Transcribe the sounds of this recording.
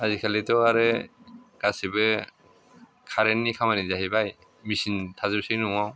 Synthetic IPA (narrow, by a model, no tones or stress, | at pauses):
azikʰalitɔaɾɛ | ɡ̥asibɛ | kʰaɾenːikʰamanizaɦibaj | misintʰazɔsijnuaw